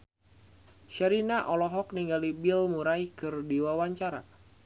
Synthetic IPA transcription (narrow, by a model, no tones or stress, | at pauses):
ʃaɾinaʔɔlɔɦɔk̚niŋɡalibilmuɾaikɨrdiwawaɲt͡ʃaɾa̰